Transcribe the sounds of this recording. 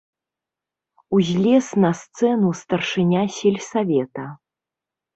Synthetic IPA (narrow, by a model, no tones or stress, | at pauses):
uzʲlʲɛsnɐst̪sɛnust̪ɐrʂɨnʲasʲɛlʲsavʲɛt̪ɐ